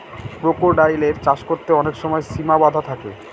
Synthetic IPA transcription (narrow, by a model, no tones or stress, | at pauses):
pɾokoɾɖajleɾt͡ɕaʃkoɾt̪eɔnekʃɔmɔesimabad̪ʱat̪ʰakḛ